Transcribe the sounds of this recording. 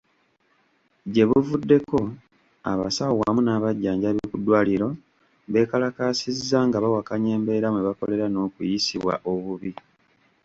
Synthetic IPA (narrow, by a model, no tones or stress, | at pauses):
ɟe̞βuvudːe̞ko̞ | a̰βa̰saowamunaːβaɟːaːɲɟaβikudwaːliɾo̞ | βe̞ːkalakaːsizːaŋɡaβawakaɲe̞ːmbe̞ɾamweβako̞le̞ɾano̞ːkujisiβwa̰ʔo̞βuβi